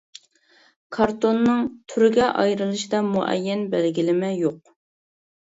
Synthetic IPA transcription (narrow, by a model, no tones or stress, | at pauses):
kʰɑɾt̪onːɨŋt̪ʰyɾɪɡʲɛʔɑ̰jɾɨlˠɨʃid̪ɑmuʔɛ̰jːɛnbɛlɡʲilɪmɛjoq̚